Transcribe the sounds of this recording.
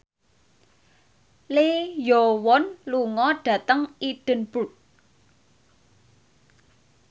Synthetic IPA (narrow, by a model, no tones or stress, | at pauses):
lejowɔnluŋɔɖ̥ä̤t̪əŋiɖ̥ə̤nb̥ṳt̪̚